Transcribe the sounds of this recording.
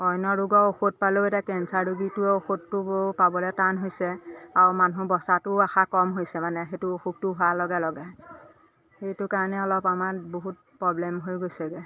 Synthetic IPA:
ɔjnɔɹuɡɔoxut̚paloetakɛnsaɹubitʊoxutːʊbopabɔlɛtanɦojsɛaɹmanubɔsatʊaxakɔmɦojsɛmanɛxetʊoxuk̚tʊɦʊalɔɡɛlɔɡɛ | xejtʊkaɹnɛɔlɔpamaɹboɦut̚pɹɔblɛmɦojɡojsɛɡɛ

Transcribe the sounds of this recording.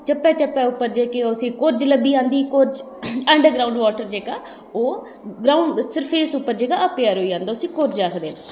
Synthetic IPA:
t͡ʃəpːɛːt͡ʃəpːɛːʊpːəɾd͡ʒeːkesĩːkoːɾd͡ʒləbiːãːnd̪iːkoːɾd͡ʒ | ɛ̃ːɳɖəɾɡɾaːũɳɖʋaːʈəɾd͡ʒeːɡaː | oː | ɡɾaːʊɳɖsəɾəfʰeːsʊpːəɾd͡ʒeːɡaːəpjaːɾoːiːd͡ʒãːnd̪aːʊsĩːkoːɾd͡ʒaːkʰd̪eːnː

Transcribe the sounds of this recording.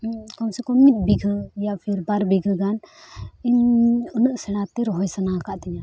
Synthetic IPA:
kaw̃sɛkɔmit̪̚biɡʱjapʰiɾbaɾbiɡʱɡaninunəʔsɛɽat̪iɾɦɔjsənakaʔt̪iɲã

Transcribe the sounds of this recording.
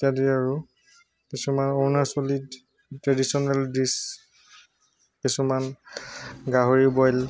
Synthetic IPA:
tiadeaɹu | kisumanɔɹnaɹsolid | tɹadisɔnɛldis | kisuman | ɡaɦoɹibɔjl

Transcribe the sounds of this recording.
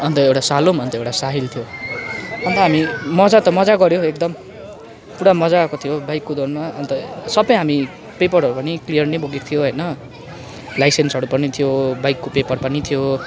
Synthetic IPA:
ʌnt̪ʌewʈasalomʌnt̪ʌewʈasaɦilt̪ʰijo | ʌnt̪ʌɦamimʌd͡zat̪ʌmʌd͡zaɡʌɾjoek̚d̪ʌm | puɽamʌd͡zaːkot̪ʰijobajkːod̪onmaʌnt̪ʌsʌbʌjɦami | pepʌrɦʌɾupʌniklijʌrneboɡikt̪ʰijoɦʌjnʌ | lajsensʌɽupʌnit̪ʰijobajkːopepʌrpʌnit̪ʰijo

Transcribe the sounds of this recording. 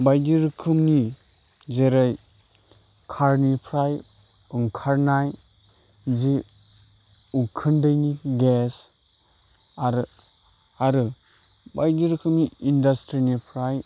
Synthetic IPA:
bajd͡ʒiɾkʰɯmni | zeɾaj | kʰaɾnipʰɾaj | uŋkʰaɾnaj | zi | ukʰɯndɯjniɡes | aɾɯ | aɾɯ | bajdiɾkʰɯmniindastɾinipʰɾaj

